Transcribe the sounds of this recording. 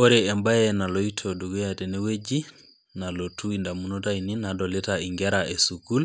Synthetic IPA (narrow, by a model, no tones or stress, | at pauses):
ɔɾɛːmbajɛnalɔitʰoduɡujatɛnɛwed͡ʒi | nalotuindamunɔtaininadɔlɛtaiŋɡɛɾaʔɛsukul